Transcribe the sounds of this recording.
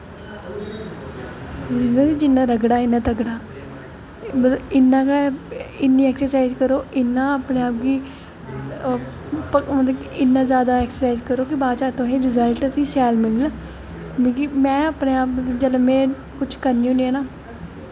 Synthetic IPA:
d͡ʒɪnãːid͡ʒɪnːãːɾəɡɽaːɪnːãːt̪əɡɽaː | mət̪əɪnːãːkaɪnːĩːɛːksəɾsaːizkəɾoːʔɪnːãːaːpneːaːp̚ɡiː | pəmət̪ləɪnːãːzjaːd̪aːɛːksəɾsaːizkəɾoːkɪbaːʃaːt̪õːɦẽːɾɪzəlʈt̪ʰiːsɛːlmɪl | mikimɛ̃ːaːpneːaːp̚məd͡ʒələmɛ̃ː | kʊt͡ʃʰkəɾnĩːɦõniaːnaː

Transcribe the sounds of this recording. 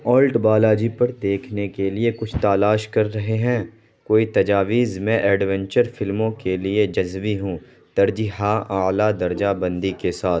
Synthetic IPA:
ɔːlʈbaːlaːd͡ʒipɐɾd̪eːkʰnekeliekʊt͡ʃʰt̪aːlaːʃkɐɾːɐɦeɦɛ̃ | koːit̪ɐd͡ʒaːʋiːzmɛ̃ʔɛːɖʋɛ̃ɲt͡ʃəɾfɪlmõkelied͡ʒɐzʋiɦũ | d̪̥ɐɾd͡ʒiɦaʔaːlad̪ɐɾd͡ʒabɐ̃nd̪ikesaːt̪ʰ

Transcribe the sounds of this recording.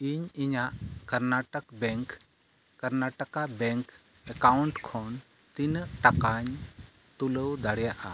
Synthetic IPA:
iɲiɲaʔkəɾnaʈəkbɛŋk | kəɾnaʈəkabɛŋk | ɛkawuɳʈkʰɔn | t̪inəʔʈakaɲ | t̪uləwd̪aɽɛjaʔa

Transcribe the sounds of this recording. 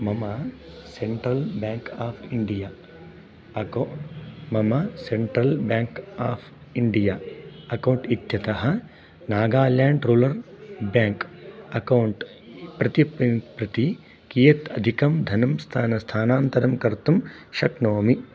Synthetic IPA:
mɐmɐ | seɳʈɾɐlbãːŋkaːpʰɪɳɖijaː | mɐmɐseɳʈɾɐlbjaːŋkaːpʰ | ɪɳɖijaːɐkɐwɳʈit̪jɐt̪ɐɦɐ̆ | naːɡaːljaːɳɖɾuːlɐɾbaːŋkɐkɐwɳʈ | pɾɐt̪ippɾɐt̪i | kijɐt̪ɐd̪ʱikɐmd̪ʱɐnɐmst̪ʰaːnɐst̪ʰaːnaːnt̪ɐɾɐmkɐɾt̪umʃɐknoːmi

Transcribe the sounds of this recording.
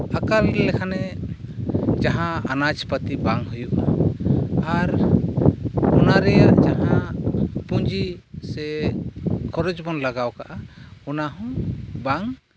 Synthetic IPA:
akalɾɛlɛkʰanɛ | d͡ʒaɦãanad͡ʒpət̪ibaŋɦujuʔna | aɾ | ɔnaɾɛjaʔd͡ʒaɦã | puɲd͡ʒisɛ | kʰɔɾɔd͡ʒbɔnlaɡawkaʔaɔnaɦɔ̃baŋ

